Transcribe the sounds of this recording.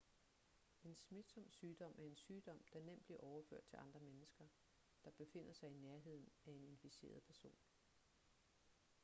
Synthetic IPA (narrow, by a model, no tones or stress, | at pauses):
e̝nsmid̥sɒ̽m̰syːd̥ɒ̽m̰æɐe̝nsyːd̥ɒ̽m̰d̥ɑ̈nem̰b̥liɐʔɒʊɐfø̰ɐ̰d̥̚t͡sʰe̝lʔɑ̈nd̥ʁɐmenəsɡ̥ɐ | d̥ɑ̈b̥e̝fe̝n̰ɐsɑ̈ɪineɐɦe̝ð̞̰ˠn̩æe̝ne̝nfise̝̰ːɐð̞̩ˠpʰæɐso̝̰ːn